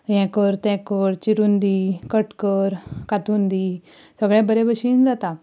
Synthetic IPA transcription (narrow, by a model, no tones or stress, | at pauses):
jɛ̃kəɾt̪ɛ̃kəɾt͡ɕiɾund̪iːkəʈkəɾkat̪und̪iː | səɡɭɛ̃bəɾẽbəɕiːnd͡zat̪a